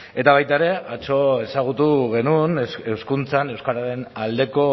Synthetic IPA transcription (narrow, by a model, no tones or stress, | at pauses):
e̞t̪aβajt̪aeɾe̞ʔat͡ʃo̞e̞saɣ̞ut̪uɣe̞nunewskunt͡sane̞wskaɾaɾe̞nald̪e̞ko̞